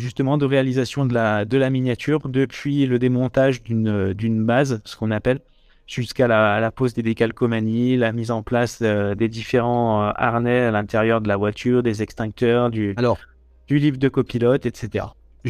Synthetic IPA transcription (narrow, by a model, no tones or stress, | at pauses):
ʒyst̪əmɑ̃d̪əʁealizasjɔ̃d̪əlad̪əlaminjat̪ʰyʁd̪əpʰɥiləd̪emɔ̃t̪aʒd̪ynød̪ynbazsə̥kɔ̃napɛl | ʒ̥yskalalapozd̪ed̪ekalkɔmanilamizɑ̃plasød̪ed̪ifeʁɑ̃øa̰ʁnɛalɛ̃t̪eʁjœʁd̪əlavwat̪ʰyʁd̪ezɛkst̪ɛ̃k̚t̪œʁd̪yalɔʁ | d̪̥ylivd̪əkɔpilɔt̪ɛt̪set̪eʁa̰